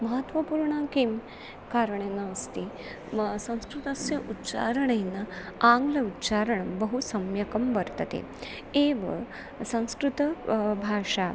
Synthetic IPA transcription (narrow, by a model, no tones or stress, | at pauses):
mɐɦət̪ʋɐpuːɾɳakim | kaːɾəɳenːaːst̪i | sɐ̃w̃skɾut̪ɐsjɐʔutːt͡ʃa̰ɾəɳenːaaŋɡlɐutːɕaɾəɳɐmbəɦusɐmjɐkɐmʋɐɾt̪ət̪ḛ | eʋə̰ | sɐ̃w̃skɾut̪əbʱaːʂa